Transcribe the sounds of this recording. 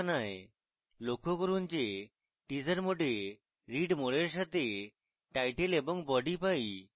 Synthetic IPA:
naj | lokokɔɾunt͡ɕe | ʈid͡ʑəɾmoʈe | ɾiɖmɔɭeɾʃ̬at̪e | ʈajʈelebɔŋbɔɖipaj

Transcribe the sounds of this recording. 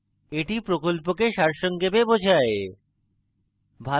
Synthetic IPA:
eʈipɾokolp̬okeʃaɾʃɔŋɡebebod͡ʑʱae | bʱa

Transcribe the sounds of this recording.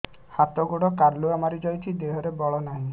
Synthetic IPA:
hat̪ɔɡoɽɔkaɾluamaɾid͡ʒɔjt̪ʰid̪eɦɔɾebɔɭɔnaɦĩ

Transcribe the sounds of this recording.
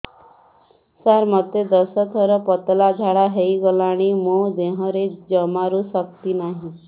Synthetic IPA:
saɾmət̪ed̪əsɔt̪ʰɔɾɔpɔt̪lad͡ʒʱaɽaɦeiɡɔlaɽ̃imod̪eɦɔ̃ɾed͡ʒəmaɾũsəkt̪inaɦĩ

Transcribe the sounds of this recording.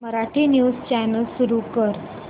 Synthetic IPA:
məɾaʈʰiːnjust͡ɕænəlsuɾukəɾ

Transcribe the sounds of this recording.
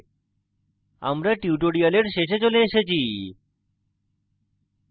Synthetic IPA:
a̰mɾaʈiuʈoɽialeɾʃeʃet͡ɕoleeʃet͡ɕʰi

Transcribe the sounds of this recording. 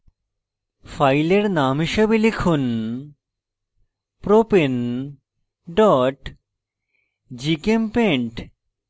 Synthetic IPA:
fajleɾnamɦiʃebelekʰun | pɾopen | ɖɔʈ | d͡ʑikempeɳʈ

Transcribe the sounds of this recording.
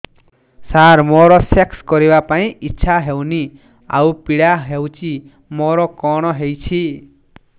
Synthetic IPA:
saɾmɔɾɔsekskɔɾibapaĩʔitːsʰaɦewni | a̰wpiɽaɦewt͡ʃi | mɔɾɔkɔɽ̃ɔɦejt͡ʃʰi

